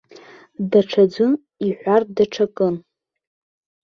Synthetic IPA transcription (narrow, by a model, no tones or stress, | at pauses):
daʈ͡ʂʰad͡zʷʊn | iħʷardaʈ͡ʂʰakʼɨn